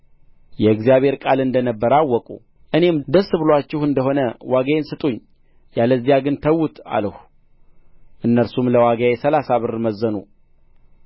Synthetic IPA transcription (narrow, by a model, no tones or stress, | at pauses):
jɛɨɡzijaβe̞ɾkʼalɨnd̪ənəbːəɾawːɔkʼṵ | ʔɨne̞md̪əsːɨβɨlwat͡ʃːɪhɨnd̪əɦo̞nəwaɡaensɨt̪ʼuɲː | jaləzːijaɡɨnt̪ʰəwːut̪a̰ləhu | ʔɨnːəɾsumləwaɡajɛsəlasaβɨɾməzːənṵ